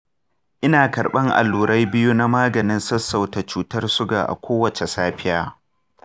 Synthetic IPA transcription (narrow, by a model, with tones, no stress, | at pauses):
ʔɪ˦naː˨kɐ˨ɾɓɐ˦ŋʔa̰˨lːuː˨ɾɐ˦jbɪ˦ju˦na˦maː˦ɡɐ˨nɪ˦nsɐ˦sːa˨wta˨t͡ʃuː˦tɐ˦rsʊ˦ɡa̰ː˨ʔa̰˨kʷoː˦wɐ˨t͡ʃe˨saː˦ɸɪ˦jaː˦